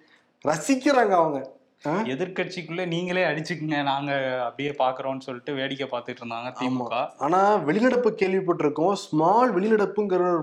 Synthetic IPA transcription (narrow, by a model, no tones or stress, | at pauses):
ɾɐsɪkːɪɾaːŋɡɐːʋɐŋɡɐ | ɛðɪɾkɐʈ̚t͡ʃːikːɯɭːɐniːŋɡɐɭeːɐɽɪt͡ʃːɯkːɯŋɡɐnaːŋɡɐɐpːɐɽɪjeːpaːɾkɯɾõːnːɯsɔlːɪʈːɯʋeːɽɪkːɐpaːɾt̪ɯkʈːɪɾɯnd̪aːŋɡɐt̪iːmːakːaːaːnaːʋɛɭɪnɐɽɐpːɯkːeːɭʋɪpːɐʈːɪɾɯkːʊ̃smaːlʋɛɭɪnɐɽɐpːɯŋɡɐɾɐ